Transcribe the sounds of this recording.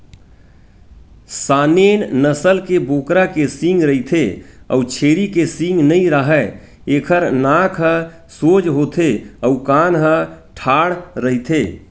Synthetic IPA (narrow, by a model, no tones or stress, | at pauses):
saːnennəsəlkeboːkɾakesiŋɡɾəɦit̪ʰeɔ̰ut͡ʃʰeːɾikesĩŋɡnəĩɾəɦɛ | eːkʰəɾnãkʰɦə̃ | sod͡ʒɦot̪ʰeəukanɦəʈʰaːɽɾəɦit̪ʰe